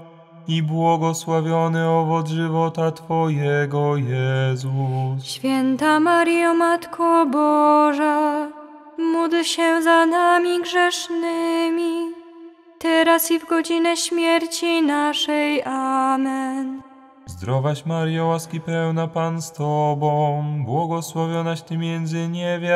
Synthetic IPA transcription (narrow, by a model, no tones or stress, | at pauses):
ibwɔɡɔswavʲjɔnɘɔvɔzʐɘvɔt̪at̪fɔjɛɡɔjɛzuɕfʲjɛnt̪amaɾjɔmat̪kʰɔbɔʐa | mud̪ɕɛzanamʲiɡʐɛʂnɘmʲi | t̪ɛɾasivɡɔd͡ʑinɛɕmʲjɛɾt͡ɕinaʂɛjʔamɛn | zd̪ɾɔvaɕmaɾjawaskʲipɛwnapanst̪ɔbɔ̃w̃bwɔɡɔswavʲjɔnaɕt̪ɘmʲjɛnd̪zɘɲɛvʲa